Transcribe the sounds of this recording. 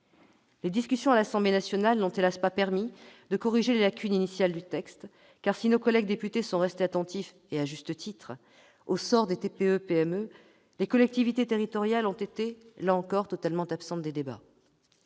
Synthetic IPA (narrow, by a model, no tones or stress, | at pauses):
led̪iskʲysjɔ̃alasɑ̃blenasjɔnalnɔ̃t̪elaspapɛʁmid̪əkɔʁiʒelelakʲyninisjald̪yt̪ɛkst̪ | kaʁsinokɔlɛɡ̚d̪epyt̪esɔ̃ʁɛst̪eat̪ɑ̃t̪if | eaʒyst̪ət̪ʰit̪χ | osɔʁd̪et̪epeøpeɛmø | lekɔlɛk̚t̪ivit̪et̪eʁit̪ɔʁjalɔ̃t̪et̪elaɑ̃kɔʁt̪ɔt̪almɑ̃t̪apsɑ̃t̪̚d̪ed̪eba̰